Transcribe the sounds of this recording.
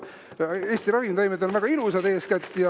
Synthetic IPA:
e̞ːsʲt̪irɑvimt̪ɑjmed̪onvæɡ̥ɑilusɑd̪̥e̞ːskæt̪ʲːjɑ

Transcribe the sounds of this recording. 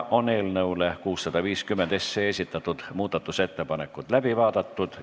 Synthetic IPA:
ʔo̞ne̞ːlnɤulekuːsːɑd̪̥ɑviːskymːend̪e̞sːeesʲit̪ːˑɑt̪ːud̪̥muːd̪̥ɑt̪ːˑuse̞t̪ːe̞pɑne̞kːˑut̪læb̥ivɑːd̪ɑt̪ːud̪̥

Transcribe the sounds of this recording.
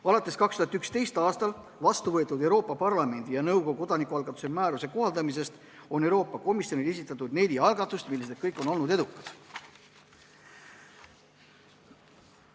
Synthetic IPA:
ɑlɑt̪ːˑe̞skɑkst̪uhɑt̪ykst̪e̞jst̪ɑːst̪ɑl | vɑst̪uvɤet̪ːˑud̪ewɾo̞ːpːˑɑpɑrlɑme̞nʲd̪̥ijɑnɤwɡoko̞d̪̥ɑnikːˑuɑlɡɑt̪ːˑu̥semæːɾuse̞ko̞hɑld̪ɑmis̬e̞st̪ | o̞ne̞wɾo̞ːpːˑɑko̞misjo̞nile̞s̬it̪ːˑɑt̪ːˑud̪̥ne̞lʲiɑlɡɑt̪ːˑust̪milːeset̪̚kɤjkːˑo̞no̞lnud̪eukːˑɑd̪̥

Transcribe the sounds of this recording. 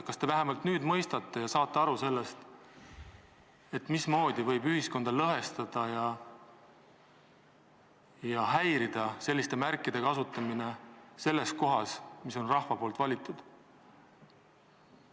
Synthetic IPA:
kɑst̪e̞væɦe̞mɑlt̪nyːd̪mɤ̞jst̪ɑt̪ˑːejɑsɑːt̪ːˑeɑɾuse̞lːe̞st̪ | e̞t̪ːˑmismo̞ːd̪̥ivɤ̞jbyhisko̞nd̪̥ɑlɤɦe̞st̪ɑd̪̥ɑjɑ | jɑɦæjɾid̪̥ɑse̞lʲːist̪e̞mærkːˑid̪̥e̞kɑsut̪ːˑɑmine̞se̞lːe̞sko̞ɦɑsmiso̞nrɑhvɑpo̞ːlt̪vɑlʲit̪ːˑud̪̥

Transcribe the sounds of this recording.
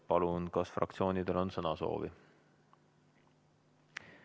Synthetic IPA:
pɑlunkɑsfrɑ̰k̚t̪sio̞ːnid̪e̞lo̞nsɤnɑso̞̰ːvḭ

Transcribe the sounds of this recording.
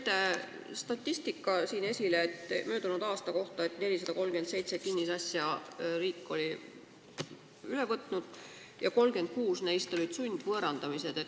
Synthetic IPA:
t̪e | st̪ɑt̪ʲːˑist̪ikːˑɑsiːne̞sʲileet̪ːmø̞ːd̪̥unud̪̥ɑːst̪ɑko̞ht̪ɑe̞t̪ne̞lʲisɑd̪ɑko̞lmɡ̥ye̞nd̪se̞jt̪se̞kinʲːisɑsʲjɑriːkːˑo̞lʲi | ylevɤt̪ˑnud̪̥ | jɑko̞lɡ̥e̞nd̪̥̚kuːsnejst̪o̞lʲid̪̥sunʲd̪̥vɤɾɑnd̪̥ɑmise̞d̪̥e̞t̪

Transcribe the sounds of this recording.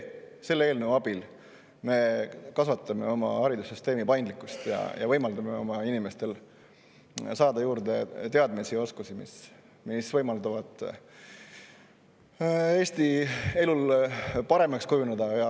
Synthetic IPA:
se̞lːe̞ːlneɑbil | me̞kɑsvɑt̪ːˑɑme̞̰o̞mɑ̰hɑɾid̪usːyst̪e̞ːmipɑjnd̪likːˑust̪jɑ̰jɑ̰vɤjmɑld̪̥ɑmeo̞̰mɑinime̞st̪e̞l | sɑːd̪̥ɑjuːɾd̪et̪e̞ɑd̪̚misio̞skusimḭs | misvɤjmɑld̪ɑvɑd̪̥ | e̞ːst̪ie̞lulpɑɾe̞mɑkskujuned̪̥ɑjɑ

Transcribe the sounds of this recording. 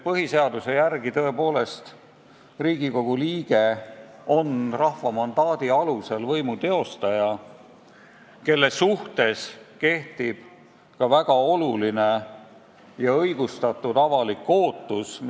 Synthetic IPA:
pɤɦise̞ɑd̪use̞jærɡ̥it̪ɤe̞po̞ːle̞st̪ | riːɡ̥iko̞ɡ̥uliːɡ̥e̞ | o̞nrɑhvɑmɑnd̪̥ɑːd̪̥iɑluse̞lvɤjmut̪e̞o̞st̪ɑjɑ | ke̞lːe̞suht̪e̞ske̞ht̪ib̥ | kɑvæɡ̥ɑo̞luline̞ | jɑɤjɡust̪ɑt̪ːˑud̪ɑvɑlikːo̞ːt̪ːˑus

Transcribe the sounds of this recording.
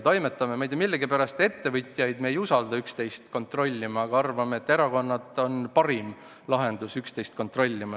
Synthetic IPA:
t̪ojme̞t̪ːˑɑmemejd̪ˑemilːeɡipæɾɑst̪e̞t̪ːe̞vɯt̪ʲˑjɑjd̪me̞ːjusɑld̪̥ɑykst̪e̞jst̪ko̞nt̪ro̞lʲːimɑɑɡ̥ɑɑrvɑmeet̪ːe̞ɾɑko̞nːɑd̪o̞npɑɾim | lɑɦe̞nd̪̥usykst̪e̞jst̪̚ko̞nt̪ro̞lʲːimɑ

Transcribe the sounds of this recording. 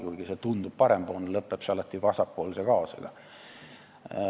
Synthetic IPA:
kujɡ̥iset̪und̪ub̥̚pɑɾemb̥oːnlɤpːˑepseɑlɑt̪ˑːivɑsɑpːˑo̞ːlsekɑːsɑ̰ɡ̥ɑ̰

